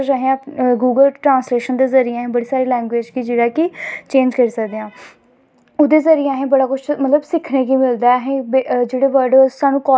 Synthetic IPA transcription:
d͡ʒaɦẽãɡuːɡəlʈɾãːnsleːʃənd̪eːzəɾɪaːɦẽːbəɽiːsaːɾeːlɛ̃ːŋɡʋeːd͡ʒkid͡ʒeːɽaːkɪt͡ʃẽːnd͡ʒkəɾisəkd̪eːãː | ʊd̪eːzəɾɪaːɦẽːbəɽaːkʊt͡ʃʰmət̪ləbsɪkʰneːk̬iːmɪld̪aːɦẽːbed͡ʒeːɽeːʋəɾɖsaːnũːkɔː

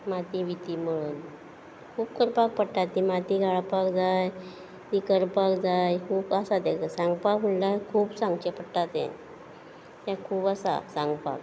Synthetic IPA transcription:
mat̪iʋit̪iməɭun | kʰuːpkəɾpak̚pəɽʈat̪ːimat̪iɡʱaɭpakd͡zaj | t̪ikəɾpakd͡zajkʰuːpasat̪ɛkasãŋɡpakm̤əɳlakʰuːpsãŋɡt͡ɕepəɽʈat̪ɛ̰̃ | t̪ãkʰuːpasa̰sãŋɡpa̰k̚

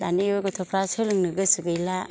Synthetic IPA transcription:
daniɔɡɯtʰɔpʰɾasɯlɯŋnɯɡɯsuɡɯjla

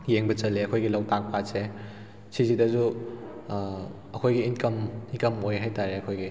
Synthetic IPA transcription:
jeŋbɐt͡ʃɐlːeɐkʰojɡilɐwtak̚pʰase | sizidɐzu | ɐkʰojɡiinkɐminkɐmojɦajtaɾeɐkʰojɡi

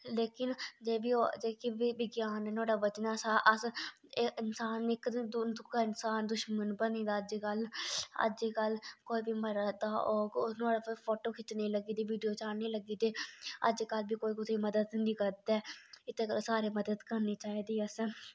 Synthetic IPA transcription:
leːkɪnd͡ʒeːʋiːod͡ʒeːkiiʋɪɡjaːnɛːnʊaːɖaːʋət͡ʃnaːsaːʔəs | ɪnsaːnɪkd̪ʊkaːɪnsaːnd̪ʊʃmənbəniːd̪aːəd͡ʒiːkələ̰d͡ʒiːkəlkoːiːbiːməɾad̪aːɔːnʊaːɽaːpːpʰoːʈoːkʰɪt͡ʃniːləɡiːd̪iːʋiːɖijoːt͡ʃaːniːləɡiːd̪eːə̰d͡ʒkəlbiːkoːiːkʊt̪eːməd̪əd̪ɦniːkəɾd̪ɛːɪt̪ʰeːkəsaːɾeːməd̪əd̪kəɾniːt͡ʃaːiːd̪iːəs

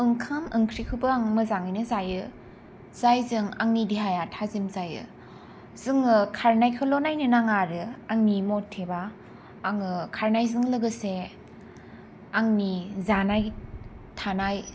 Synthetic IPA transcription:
ɯŋkʰamɯŋkʰɾikʰɯbɯaŋmɯzaŋɯnɯzajɯ | z̥ajzɯŋaŋnidiɦajatʰazimzajɯ̰ | z̥ɯŋɯkʰaɾnajkʰɯlɔnajnɯnaŋaɾɯaŋnimɔtʰːebaː | ŋɯkʰaɾnajzɯŋlɯɡɯse | aŋnizanaj | tʰanaj

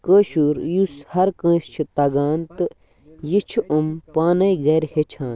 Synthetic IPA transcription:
kəːʃuːɾjushɐɾkə̃ːʃt͡ʃʰit̪ɐɡaːnt̪ɨ | jit͡ʃʰuʔɐmpaːnɐjɡɐɾʲhet͡ʃʰãːn

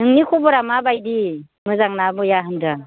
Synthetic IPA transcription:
nɯŋnikʰɔbɔɾamabajdi | mɯzaŋnabɯjaɦɯmda

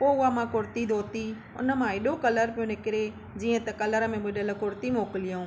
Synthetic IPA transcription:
poːʊamãkʊɾt̪id̪ʱoːt̪i | ʊ̰nə̆mãeɗokɐləɾpijõnɪkɪɾe | d͡ʑiːə̃t̪ɐkɐləɾə̆mẽɓʊɗələ̆kʊɾt̪imoːkɪlijõː

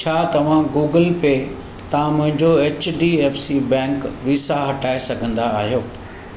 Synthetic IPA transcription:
t͡ɕʰaːt̪ɐʋ̤ãɡuːɡəlpe | t̪ɐʋ̤ãmʊ̃ɦɪ̃ɲd͡ʑoeːt͡ɕɖiːeːfsibɛ̃ːŋkʋiːsaɦɐʈaːesɐɡʱə̃nd̪aːɦijoː

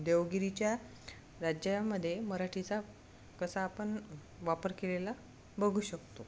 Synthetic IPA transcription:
d̪eʋɡiɾit͡ɕja | ɾad͡ʑjaməd̪ʱːjeməɾaʈʰit͡sa | kəsaːpəɳ | ʋapəɾkelela | bəɡʱuːɕəkt̪o

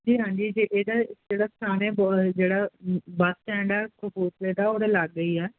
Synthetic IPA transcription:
d͡ʒiːɦãːɲd͡ʒiːd͡ʒeːʔeːd̪aːɪd͡ʒeːɽaːst̪ʰaːneːbd͡ʒeːɽaːbat̪ːɛ̃ːɳɖaːkəbuːɾt̪eːd̪aːoːɽaləɡːəiːɛː

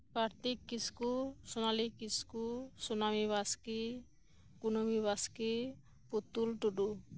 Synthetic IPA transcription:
kaɾt̪ikːiskusonalikːiskusonamiβaski | kunomiβaski | pot̪ːulʈuɖu

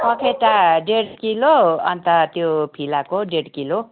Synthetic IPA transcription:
ʌkʰeʈaɖeɽkiloʌnt̪ʌt̪jopʰilakoɖeɽkilo

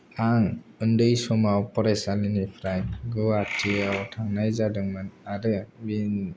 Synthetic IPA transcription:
aŋɯndɯjsɔmawpɔɾajsalinipʰɾajɡɯatʰiawtʰaŋnajzadɯŋmɯnaɾɯbin

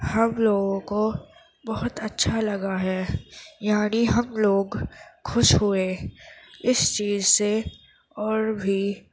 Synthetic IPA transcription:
hɐmloːɡõko | bɐɦʊt̪ɐtːʃʰalɐɡaɦɛːjaːniɦɐmloːɡxʊʃɦʊeː | ɪst͡ʃiːzse | ɔːɾbʱi

